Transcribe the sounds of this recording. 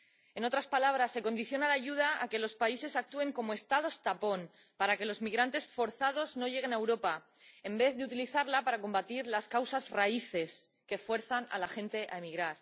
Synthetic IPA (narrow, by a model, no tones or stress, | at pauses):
e̞no̞t̪ɾaspalaβ̞ɾasːe̞ko̞nd̪iθjo̞nalaʝuð̞aa̰ke̞lo̞spaise̞sak̚t̪ue̞ŋko̞moe̞st̪að̞o̞st̪apo̞n | paɾake̞lo̞zmiɣɾant̪e̞sfo̞ɾθað̞o̞zno̞ʝe̞ɣ̞enaewɾo̞pa | e̞mbe̞θðeut̪iliθaɾlapaɾako̞mbat̪iɾlaskawsazraiθe̞s | ke̞fwe̞ɾθana̰laxẽ̞nt̪e̞ʔa̰emiɣɾaɾ